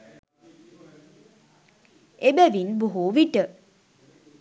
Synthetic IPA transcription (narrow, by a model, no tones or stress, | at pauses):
ebæʋinboɦuʋiʈə